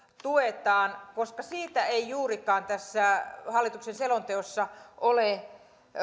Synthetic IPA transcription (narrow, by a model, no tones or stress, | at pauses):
t̪uet̪ɑːnkoskɑsiːt̪æeijuːrikɑːnt̪æsːæhɑlːˑit̪uksenselont̪eosːɑʔole